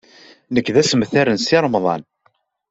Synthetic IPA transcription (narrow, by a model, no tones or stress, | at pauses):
nəkːðæsəmθæɾənsiɾˤmðˤɑ̰n